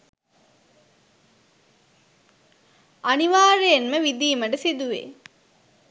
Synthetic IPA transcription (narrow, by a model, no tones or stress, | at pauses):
ʔɐniʋaːɾejenməʋid̪iːməɖəsid̪uʋḛː